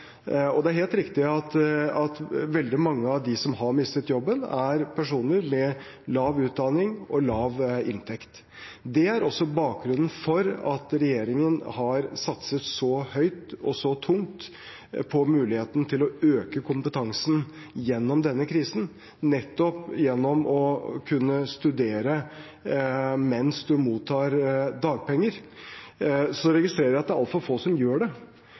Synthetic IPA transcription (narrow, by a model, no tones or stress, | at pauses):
ɔd̪ɛæɾheːlt̪ɾɪkt̪ɪɑt̪ɑt̪ʋɛld̪ɪmɑŋːəɑʋd̪ɪsɔmɦɑɾmɪst̪ət̪jɔbːənæɾpʰæʂuːnəɾmɛ | lɑːʋʉːt̪̚d̪ɑnɪŋɔlɑːʋɪnt̪ʰɛkt̪ | d̪ɛæɾɔsːɔbɑːk̚ɡɾʉnːn̩fɔɾɑ̰t̪ɾɛjeːɾɪŋənhɑɾsɑt̪sət̪sɔhœʏt̪ɔ̰sɔt̪ʰʊŋt̪ | pʰɔmʉːlɪheːt̪ənət̪ʰɪlɔøːkəkʰʊmpət̪ʰɑŋsn̩ | jɛnːɔmd̪ɛnːəkʰɾiːsn̩ | nɛt̪ːɔpjɛnːɔmɔkʰʉnːəst̪ʉd̪eːɾə | mɛnsd̪ʉmuːt̪ʰːɑːɾd̪ɑːɡ̚pɛŋːəɾ | sɔɔɾɛɡɪst̪ɾeːɾəɾɪɑt̪̚d̪æɾɑlt̪fɑfoːsɔmjøːɖɛ